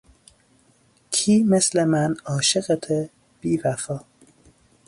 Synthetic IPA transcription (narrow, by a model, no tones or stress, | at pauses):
kʰiːmeslemænɒːʃeɣet̪ʰe | b̥iːvæfɒː